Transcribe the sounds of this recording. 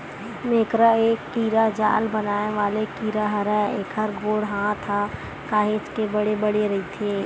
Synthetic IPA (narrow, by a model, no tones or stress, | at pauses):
meːkɾaeːkːiːɾad͡ʒa̰ːlbɐnaːneʋaːlekiːɾaɦɐɾɛːeːkɦɐɾɡoːɽɦãt̪ʰa | kaːɦeːt͡ʃkebɐɽebɐɽeɾɐɦit̪ʰeː